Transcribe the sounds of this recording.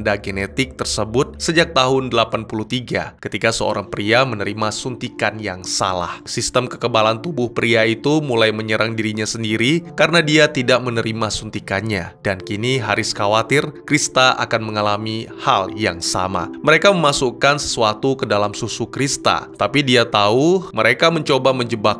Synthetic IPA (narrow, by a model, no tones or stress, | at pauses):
ndaɡenet̪ɪk̚t̪ərsəbʊt̪̚səd͡ʒak̚t̪aɦʊndəlapanpuluht̪iɡa̰kət̪ikasəo̰ɾaŋpɾiamənəɾimasunt̪ikanjaŋsa̰la̰hsist̪əmkəkəbalant̪ubʊhpɾiait̪umulajməɲəɾaŋdiɾiɲasəndiɾikaɾənadiat̪idaʔmənəɾimasunt̪ikanɲa̰d̥ankiniɦaɾɪskawat̪ɪrkɾist̪aʔa̰kanməŋalamiha̰ljaŋsa̰ma̰məɾekaməmasukansə̥suat̪ukədalamsusukɾist̪a̰t̪apidiat̪auməɾekaməɲt͡ʃobaməɲd͡ʒəbak̚